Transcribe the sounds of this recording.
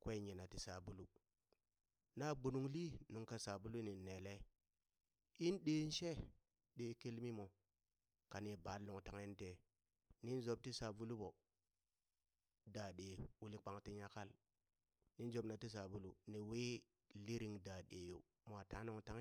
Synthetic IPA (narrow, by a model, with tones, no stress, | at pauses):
kwe˦˨ɲi˨na˨ti˨sa˨bu˦lu˦ | na˦ɡ͡bu˨nu˨ŋli˦nu˨ŋka˨sa˨bu˦lu˦niː˨e˨le˦ | i˦nɗeː˨˦n˦ʃe˦ | ɗe˨ke˦lmi˦mo˨ | ka˨ni˨ba˨˦lnu˨ŋta˨ŋe˦n˦te˨ | ni˦nzo˨˦b̚ti˦sa˨vu˦lu˦bo˨ | da˨ɗe˨wu˦li˦k͡pa˨ŋti˦ɲa˦ka˦l | ni˦n˦d͡ʒo˨bna˨ti˦s̬a˨bu˦lu˨ni˨we˦ | li˦ɾi˨ŋda˨ɗe˨jo˨ | m˨a˨ta˨˦nu˨˦ŋta˦ŋ˦